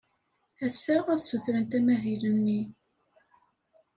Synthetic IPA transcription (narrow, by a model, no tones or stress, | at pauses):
æsːææðsuθɾənt̪æmæɦilənːi